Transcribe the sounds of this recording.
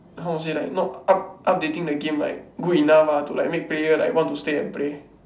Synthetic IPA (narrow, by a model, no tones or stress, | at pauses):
ɦaws̬elajk̚nɔtap̚ʔap̚detĩŋdəɡẽmla̰jk̚ɡuinafatula̰ɪk̚mek̚pɾejəla̰jwɔ̃ntːusteɛ̃npɹe